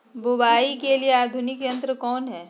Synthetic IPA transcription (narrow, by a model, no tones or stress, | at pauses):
bʊbaːikelieaːd̪ʱʊnɪkjɐ̃nt̪ɾəkɔːnɦɛː